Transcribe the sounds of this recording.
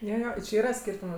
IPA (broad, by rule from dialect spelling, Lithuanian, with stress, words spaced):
ˈjoː ˈjoː t͡ʃʲɪ ˈiːrɐ ˈsʲkʲiːrtʊmʊ